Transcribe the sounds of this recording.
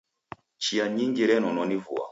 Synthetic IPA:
t͡ʃiaɲiŋɡiɾɛnɔnɔnivṵa̰

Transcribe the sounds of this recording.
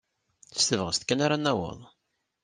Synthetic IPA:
θə̥st̪əvʁəst̪kːænaɾanːæwə̰ðˤ

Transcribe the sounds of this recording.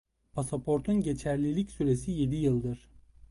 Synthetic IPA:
pʰasapʰo̞ɾt̪ʰunɟe̞t͡ʃʰæɾlʲilʲicsyɾe̞sije̞d̪ijɯlˠd̪ɯɾ̥

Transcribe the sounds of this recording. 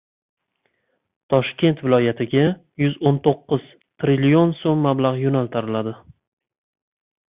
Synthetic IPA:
t̪ʰɒʃkʲe̞nt̪vɪlˠɒjat̪ʰɪɡʲa | jʊzont̪ʰoqːɨz̥ | t̪ʰɾilijonsomːablˠaʁjonalˠt̪ʰaɾɪlad̪ɪ

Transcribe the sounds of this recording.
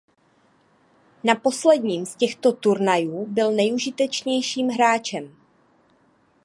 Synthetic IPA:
napo̞slɛdɲiːmscɛxt̪o̞t̪uɾnajuːbɪlnɛjuʒɪt̪ɛt͡ʃɲɛjʃiːmɦɾaːt͡ʃɛm

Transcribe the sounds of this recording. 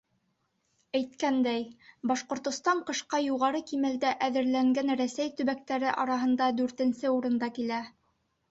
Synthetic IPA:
æjt̪̚kænd̪æjbɑʃqŏɾt̪ŏst̪ɑɴqɤ̆ʃqɑjuʁɑɾɤkimæld̪æʔæðɘ̆ɾlæŋɡænɾæsæjt̪ɵ̆βæk̚t̪æɾɘʔɑɾɑɦɤ̆nd̪ɑd̪ʉɾt̪ɘ̆nsɘuɾɤ̆nd̪ɑkilæ

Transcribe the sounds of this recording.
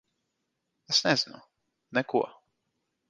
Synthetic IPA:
ɛsnɛzinʊ | nɛkuɔ

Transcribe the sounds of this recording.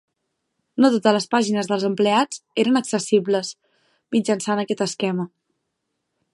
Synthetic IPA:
not̪ot̪ələspaʒinəzðəlˠzəmplead͡zeɾənəksəsibləs | mid͡ʒənsanəkɛt̪əskɛmə

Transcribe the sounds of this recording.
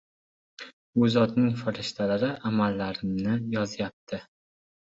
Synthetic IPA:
ʊzɒt̪nɪŋfaɾɪʃt̪ʰalaɾɪʔamalːaɾɪmnɪjɒzɪjap̚t̪ʰɪ

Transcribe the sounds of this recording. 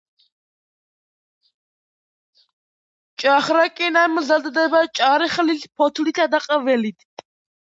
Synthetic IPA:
t͡ʃʼaχɾakʼinamzad̪d̪ɛbat͡ʃʼaɾɛχlit̪pʰɔt̪ʰlit̪ʰad̪aqʼavɛlit̪ʰ

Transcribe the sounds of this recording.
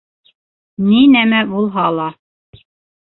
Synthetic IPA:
ninæmæbulˠɦɑlˠɑ

